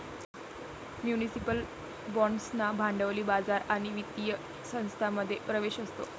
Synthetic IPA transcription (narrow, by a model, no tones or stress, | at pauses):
mjunisipəl | bɔɳɖsnabʱãɳɖəʋliːbad͡zaɾaɽ̃iʋit̪ijə | sə̃w̃st̪ʰaməd̪ʱːjepɾəʋeɕəst̪o̰